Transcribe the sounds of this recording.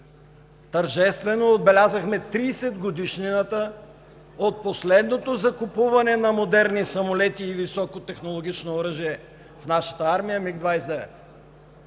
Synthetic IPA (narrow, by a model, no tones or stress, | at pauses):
t̪əɾʒɛst̪vɛnoːd̪̚bɛlʲazəxmɛt̪ɾiːsɛd̪ɡod̪iʃninət̪ə | ot̪̚poslɛd̪not̪ozɐkupuvɐnɛnɐmod̪ɛɾnisɐmolɛt̪iːvisɔkot̪ɛxnolˠoɡ̟ʲit͡ʃnoːɾəʒiɛ | fnaʃə̥t̪əaɾmijəmiɡd̪vajsd̪ɛvɛ̰t̪